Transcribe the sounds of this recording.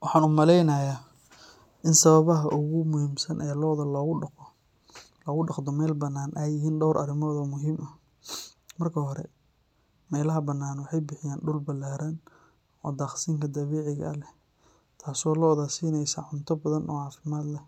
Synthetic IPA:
wɑħɑːnʊmɐlɛjnɐjaː | ʔɪnsɐβɐβɐɦɐʔʊɣʊmʊhiːmsɐnʔɛːlɔːðɐlɔːɣʊɐqɔ | lɔɣʊɖɑqd̪ɔmɛːlbɐnːaːnʔɐjɪɦiːnɖɔwɾʔɐ̰ɾɪmɔːðɔːmʊɦiːmɐ | mɐrkʰɐɦɔɾɛ̰ | mɛːlɐɦɐbɐnːaːnwɑħɑjbɪħɪjaːnɖʊlbɐlaːɾɐn | ɔːd̪aːχsiːŋkʰɐd̪ɐβɛːʕɪɣɐ̰lɛh | t̪ʰaːsɔːlɔɔðaːsiːnɛjsaːʕʊnt̪ʰɔbɐðɐnɔːʕɑːfɪmaːd̪lɛ

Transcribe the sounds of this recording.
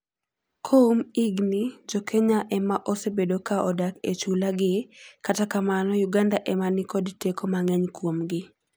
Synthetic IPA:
kʰoumiɡnɪd͡ʒɔkʰeɲaʔɛmaʔɔsebedokaʔɔdaket͡ʃulaɡɪkatakamanɔjuɡandaʔɛmanɪkɔdtekomaŋɛɲkwomɡɪ

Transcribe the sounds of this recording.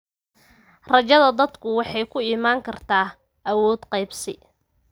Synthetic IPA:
rɐt͡ʃɐðɐd̪ɐd̪kʰʊwɑħɑjkʰʊimaːŋkʰɐrt̪ʰaː | ʔɐwɔːd̪qɑjbsɪ

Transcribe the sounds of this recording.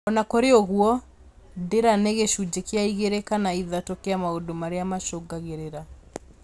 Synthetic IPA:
ɔnakoɾeoɣuɔ | deɾaneɣeʃud͡ʑekeaiɣeɾekanaiðatokeamaodomaɾeamaʃoɡaɣeɾeɾa

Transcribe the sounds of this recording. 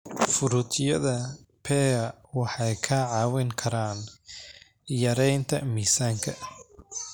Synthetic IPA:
fʊɾʊt̪ʰjɐðɐpʰɛːɐ | wɑħɑjkʰaːʕɑːwɛŋkʰɐɾaːn | jɐɾɛjnt̪ʰɐ̰miːsaːŋkʰɐ

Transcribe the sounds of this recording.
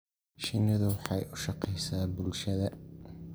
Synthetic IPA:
ʃɪnɐðʊwɑħɑjʊʃɑqɛjsaːbʊlʃɐðɐ

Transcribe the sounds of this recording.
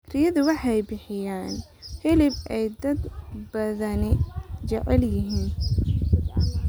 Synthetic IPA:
kɾɪjɐðʊwɑħɑjbɪħɪjaːnhɪlɪbʔɛjd̪ɐd̪bɐðɐnɪt͡ʃɛʕɛljɪɦiːn

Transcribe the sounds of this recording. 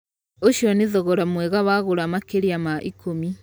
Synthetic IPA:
oʃiɔniðɔɣɔɾamwɛɣaβaɣuɾamakeɾiamaʔikʰomi

